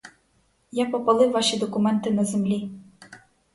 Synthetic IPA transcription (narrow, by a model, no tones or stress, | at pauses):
japopalˠɘvɑʃid̪ɔkumɛnt̪ɨnɐzɘmlʲi